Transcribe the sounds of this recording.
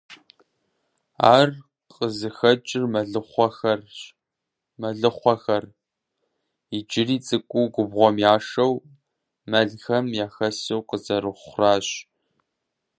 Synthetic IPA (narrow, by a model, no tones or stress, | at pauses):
a̰ːr | qʼəzɨxɐt͡ʃʼɪrmɐɮɨχʷɔxɐr | mɐɮɨχʷɔxɐr | ɪd͡ʒɪriːt͡sʼɨkʷʼuːɡʷʊbʁʷɔmjaːʂɐw | mɐɮxɐmjaːxɐsiwqəzɐɾɨχʷraːɕ